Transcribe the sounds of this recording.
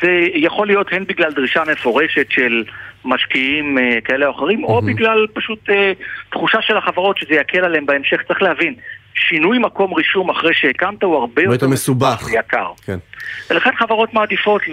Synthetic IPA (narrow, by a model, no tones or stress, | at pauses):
zejaχo̞lijo̞thenbiɡlaldʁiʃame̞fo̞ʁe̞ʃe̞tʃe̞lmaʃkiimkae̞leoχeʁimo̞biɡlalpaʃutetχuʃaʃe̞laχavaʁo̞tʃezejakʰe̞laleembaemʃe̞χtt͡sʁeχlehavinʃinujmako̞mʁiʃumaχʁejʃehekamtauhaʁbejot̪emesubaχejaka̰ʁkenveleχenχavaʁo̞tmaːdifo̞t